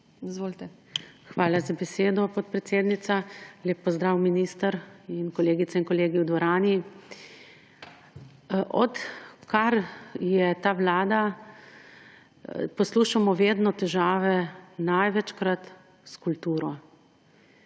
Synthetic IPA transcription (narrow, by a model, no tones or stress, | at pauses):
izʋolt̪ɛ | xʋaːlazabɛseːd̪ɔpɔt̪̚pɾɛt̪seːd̪nit̪saljeːpːɔzd̪ɾaːwminist̪əɾinkɔleːɡit̪sainkɔleːɡiwd̪ʋɔɾaːni | ʔɔt̪kaɾjɛt̪aːʋlaːd̪a | pɔsluːʃamɔʋeːd̪nɔt̪ɛʒaːʋɛnajʋɛt͡ʃkɾat̪ | skult̪uːɾɔ